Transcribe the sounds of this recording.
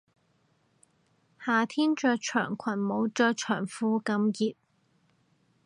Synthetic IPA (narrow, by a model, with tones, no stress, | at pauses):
haː˨t̪ʰiː˥nt͡ʃœː˧jt͡ʃʰœː˨˩ŋkʷʰɐ˨˩nmo˨˥wt͡ʃɔː˧jt͡ʃʰœː˨˩ŋfuː˧kɐ˨˧˥mjiː˨˧t̚